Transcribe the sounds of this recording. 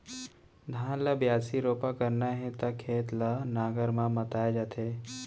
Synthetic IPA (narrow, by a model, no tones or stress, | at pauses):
d̪ʱãːnləbjaːsiɾoːpakəɾnaɦɛ̃t̪ɐkʰeːt̪lənaːɡəɾmãmət̪aːjed͡ʒaːt̪ʰeː